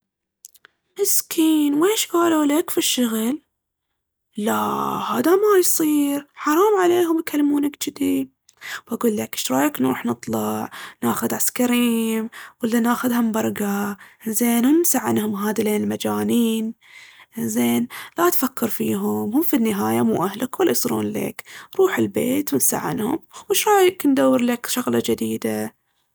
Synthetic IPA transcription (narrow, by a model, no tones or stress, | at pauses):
mɪskʰiːnweːʃɡaːluːlakfiʃːʊɣl | ahaːd̪amajsˤiːɾħɑɾˤɑːmʕaleːɦʊmjkalːmuːnakd͡ʒɪd̪id̪ | wʔaɡuːlːakʃɾˤɑːjaknṵːħnɨt̪ˤlɑʕnaːxʊd̪ʕaskaɾiːmwɪlːanaːxʊðhʊmbɑɾˤɡazeːnhʊmnsaʕːɪnhʊmɦaːd̪ileːnɪlmad͡ʒaːniːn | zeːnlaʔt̪fakʰːɑɾˤfiːɦʊmhʊmfinːɪɦaːjamṵːʔahlakwɪlːaʔsˤɾṵːnlḛːkɾˤuːħɪlbeːt̪wɪnsa̰ʕːɪ̰nhʊ̰mwɪʃɾˤɑːjɪknd̪awːɪɾlakʃaɣlɑd͡ʒɪd̪iːd̪a